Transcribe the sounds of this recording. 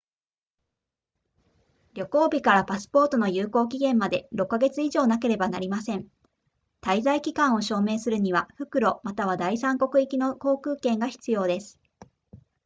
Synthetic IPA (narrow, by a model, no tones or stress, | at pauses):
ɾʲo̞ko̞ːbʲikaɾapasɨ̥po̞ːt̪o̞no̞jɯːko̞ːk̬ʲiɡẽ̞mmad̪e̞ɾo̞kːaɡe̞t͡sɨiʑo̞ːnak̬e̞ɾe̞banaɾʲimasẽ̞n | t̪aizaikʲikãɰ̃o̞ɕo̞ːme̞ːsɨɾɯ̟ɲ̟iβ̞aɸɯ̟kɯ̟ɾo̞mat̪aβ̞ad̪aisãŋko̞kɯ̟ikʲino̞ko̞ːkɯ̟ːkẽ̞ŋɡaçi̥t͡sɨjo̞ːd̪e̞sɨ̥